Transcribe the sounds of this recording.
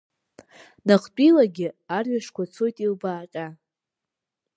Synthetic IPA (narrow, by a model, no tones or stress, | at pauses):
naqʰʼt͡pʼilaɡʲɪarɥaʂkʷat͡sʰo̞jtʼilbaːqʲʼa